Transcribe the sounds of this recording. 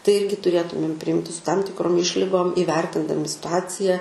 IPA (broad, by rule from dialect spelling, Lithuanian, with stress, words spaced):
tɐɪ ˈɪrʲɡʲɪ tʊˈrʲeːtʊmʲeːm pʲrʲɪˈjɪmʲtʲɪ sʊ tɐm tʲɪkˈroːm ˈɪʃʲlʲɪɡoːm ɪʋʲɛrʲtʲɪndɐmʲɪ sʲɪtʊˈɑːt͡sʲɪjɛ